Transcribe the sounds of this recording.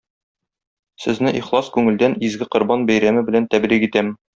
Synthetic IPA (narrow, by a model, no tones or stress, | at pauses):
sɘ̆znɘʔiχlˠɑskʉŋɘ̆ld̪ænizɡɘqŏɾbɑnbæjɾæmɘbɘ̆lænt̪æbɾiqit̪æm